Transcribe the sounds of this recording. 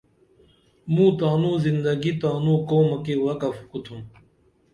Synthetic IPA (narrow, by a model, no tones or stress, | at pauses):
mũːt̪aːnũːzind̪ɐɡit̪aːnũːkoːmɐkewɐkɐfkut̪ʰum